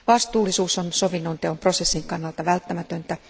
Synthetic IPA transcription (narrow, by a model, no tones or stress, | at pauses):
ʋɑst̪uːlːˑisuːsonsoʋinːont̪eompro̞sesːiŋkɑnːɑlt̪ɑʋælt̪ːæmæt̪ønt̪æ